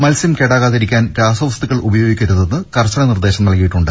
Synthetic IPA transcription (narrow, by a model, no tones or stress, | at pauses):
mɐlsimkeɽaːɣaːðɐɾikʲːaːnɾaːsɐʋɐst̪uɣɐɭubɐjo̞ːɡikʲːɐɾuðe̞nːɨkɐrt͡ɕːɐɳɐnird̪e̞ːɕɐmnɐlkijiʈːuɳɖɨ